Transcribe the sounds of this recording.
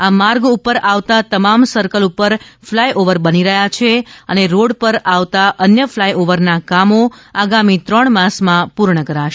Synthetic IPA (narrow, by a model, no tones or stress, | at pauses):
amaɾɡupəɾaʋt̪at̪əmamsəɾkəlupəɾflajʔoʋəɾbəniɾəɦjat͡ʃʰeəneɾoɽpəɾaʋt̪aʔənjəflajʔoʋəɾnakamoaɡamit̪ɾəɳmãsmãpuɾɳəkəɾaʃe